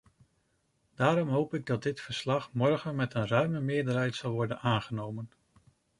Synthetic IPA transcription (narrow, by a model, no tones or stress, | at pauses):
d̥aːɾɔmɦowpɪɡ̚dɑdɪtfəɹslɑχmɔɹχənmɛtənrœɥməmɪːəɹdəɹɦɛjtsɑlˠʋɔɹdənaːnχənowmən